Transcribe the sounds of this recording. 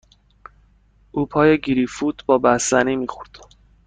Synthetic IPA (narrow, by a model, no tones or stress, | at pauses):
ʔuːpʰɒːjeɡiɾifut̪ʰbɒːbæsæniːmiːxoɾd̪̥